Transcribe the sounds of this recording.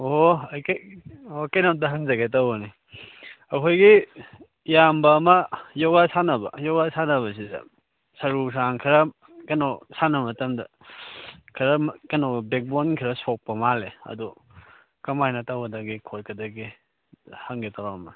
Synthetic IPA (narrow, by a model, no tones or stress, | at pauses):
oajkjokɐjnam̚dɐɦaŋzaɡet̬awani | ɐkʰojɡi | jambɐːmɐjawasanɐbɐ̰jawasanɐβɐsidɐ̰ | sɐɾus̬aŋkʰiɾɐ | kɐnosanɐmɐtɐmdɐ | kʰɐɾɐmkɐnobek̚bonkʰiɾɐsok̚pɐmaleɐ̰du | kɐmajnɐtawadaɡikʰot̚kɐdaɡi | haŋɡetawɐmɐ